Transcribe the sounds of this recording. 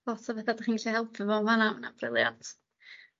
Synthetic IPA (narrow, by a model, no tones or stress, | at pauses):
ɔtʰavɛθadχiːniɬahɛlˠpʰvəvɔmanawnab̥rɪlˠja̰ntʰ